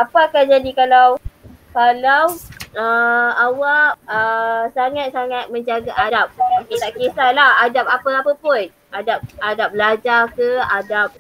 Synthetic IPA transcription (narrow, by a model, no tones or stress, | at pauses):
apaakand͡ʒadikalawkalawəawaʔ̚əsaŋat̪̚saŋat̪̚mə̃ɲd͡ʒaɡaʔadap̚kesaʔkesalahadap̚apəapəpʊn | ʔadap̚adap̚blad͡ʒarkəadap̚